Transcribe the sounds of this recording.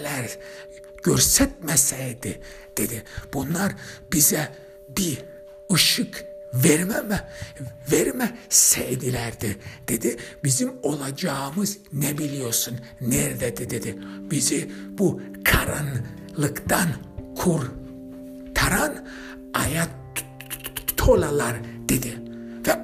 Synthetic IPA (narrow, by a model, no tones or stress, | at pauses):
læɾ | ɟ̥øɾsɛt̪̚mɛsɛjd̪i | d̪̥e̞d̪ib̥unlˠaɾbizɛ | bi | ɯʃɯkveɾmæmɛveɾmæsɛjd̪ilʲæɾd̪id̪̥e̞d̪ibizimo̞lˠad͡ʒamɯznɛbilijo̞ɾsun | nɛɾd̪ɛd̪ed̪ed̪ib̥izib̥u | kʰaɾan | lˠɯkd̪an | kʰuɾ | t̪ʰaɾan | aja | t̪ʰolalˠaɾd̪̥ed̪ivɛ